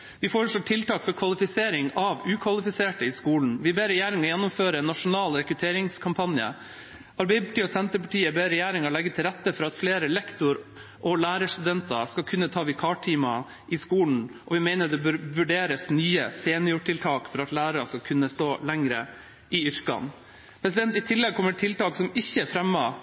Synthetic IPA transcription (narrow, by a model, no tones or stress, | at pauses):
ʋɪfɔɾəʂlɔːʈʰɪlt̪ɑːkfɔɾkʰʋɑlɪfɪseːɾɪŋɑʋʉːkʰʋɑlɪfɪseːʈəɪskuːln̩ʋɪbeːɾɛjeːɾɪŋɔjɛnːɔmføːɾəɛnːɑʂʊnɑːlɾɛkɾʉt̪ʰeːɾɪŋskʰɑmpʰɑnjə̰ | ʔɑɾbɛɪəpʰɑ̥ʈiːɔsɛnt̪əɾpɑʈiːəbeːɾɛjeːɾɪŋɔlɛɡːət̪ʰɪlɾæt̪ːəfɔɾɑt̪fleːɾəlɛkt̪ʊɾ | ʔɔlæːɾəʂt̪ʉd̪ɛnt̪ɑskɑlkʰʉnːət̪ʰɑːʋɪkʰɑːʈʈʰiːmɑ | ʔɪskuːln̩ʔɔʋɪmæɪnəd̪ɛbœɾʋʉɖeːɾəsnyːə̰seːnjʊʈʰɪlt̪ʰɑːkfɔɾɑt̪læːɾɑɾɑskɑlkʰʉnːəst̪oːlɛŋɾə̰ | ʔɪʏɾkɑ̰n | pʰɾɛsɪd̪ɛnt̪ɪt̪ʰɪlːɛɡ̚kʰɔmːəʈʰɪlt̪ɑːksɔmɪçːəfɾɛmːɑ